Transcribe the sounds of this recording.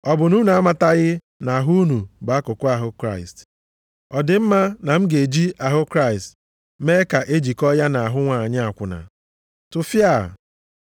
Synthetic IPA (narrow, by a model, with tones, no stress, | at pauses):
ɔ˨bʊ˨nu˦nu˨a˦ma˦ta˦ɣɪ˦ | na˨ɦu˦nu˨ba˨a˦kʊ˨kʊ˦a˨ɦʊ˦kɾa˦ɪ˨st | ɔ˨dɪ˨m̩˦ma˦na˨m̩˦ɡe˨d͡ʒi˦ʔa˨ɦʊ˦kɾa˦ɪ˨st | me˦ka˨ʔe˦d͡ʒi˨kɔ˦ja˦na˨a˨ɦʊ˦ŋʷa˨ɲɪ˦a˨kʷʊ˨na̰˨ | tʊ˨fja˦˨